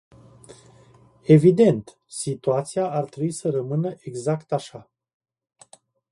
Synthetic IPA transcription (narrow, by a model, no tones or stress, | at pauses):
e̞vid̪e̞nt̪ | sit̪uat̪siaʔart̪ɾebuisərəmɨnəʔeɡzakt̪aʃa